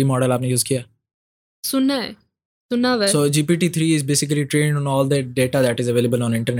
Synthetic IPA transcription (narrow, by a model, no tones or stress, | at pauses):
imɔːɖəlaːpnejuːzkijaː | sʊnːaɛ | sʊnːaʋɛssoːd͡ʒiːpiːʈiːt̪ʰɾiːɪzbeːsɪk̬əliʈɾẽːɳɖɔ̃nɔːld̪əɖeːʈad̪æʈɪzəʋeːləbəlɔ̃ːnɪ̃ɳʈəɾn